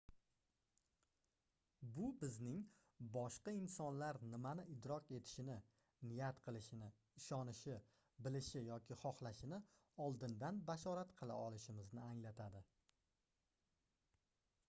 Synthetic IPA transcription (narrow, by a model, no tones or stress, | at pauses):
bʊbɪznɪŋ | bɒʃqɑɪnsɒnlaɾnɪmanɪʔɪd̪ɾɒke̞t̪ʰɪ̥ʃɪnɪ | nɪjat̪qʰɨlˠɪʃɪnɪ | ɪʃɒnɪʃɪ | bɪlɪʃɪjɒkʲʰɪχɒχlˠaʃɪnɪ | ɒlˠd̪ɪnd̪anbaʃɒɾat̪qʰɨlˠa̰ɒlˠɪʃɪmɪznɪaŋlat̪ʰad̪ɪ